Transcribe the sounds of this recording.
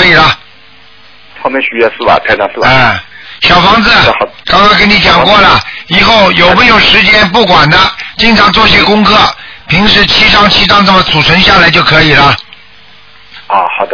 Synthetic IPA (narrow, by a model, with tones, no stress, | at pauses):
i˨˩lə˦ | t̪ʰɑ˥˧mɛ˧˥ɕy˧˥ɛ˥˧sɹ̩˥˩bɐ̰˨˩t̪ʰa˥tɑ˥˧sɹ̩˥˩a˥˩ɕjɑ˨˩ʊfɑ˧˥ŋd͡zɹ̩˧˩kɑ˥ŋkʰwe˥˩ɪk̬ə˥ni˥t͡ɕjɑ˨˩ŋkwɔ˥˩lə˩i˨˩xo˥˩ʊjo˨˩ʊpə˥˩jo˨˩ʊʂɻ̩˧˥t͡ɕjɛ˥npu˥˩kwa˨˩nd̪ə˦t͡ɕi˥˧ŋʈ͡ʂʰɑ˧˥ŋt͡swɔ˥˧ɕ̬jɛ˥˧kʊ˥ŋkʰɤ˥˩pʰi˧˥ŋʂɻ̩˥˩t͡ɕʰi˥ʂɑ˥ŋt͡ɕʰi˥t̪̬ɑ˥˧ŋʈ͡ʂə˥˩mə˩t͡sʰu˨˩ʈ͡ʂʰə˧˥ŋɕja˥˩la˧˥ɪt͡ɕjo˥˩ʊkʰɤ˧˥i˨˩lə˦˧ | xɑ˨˩d̪ə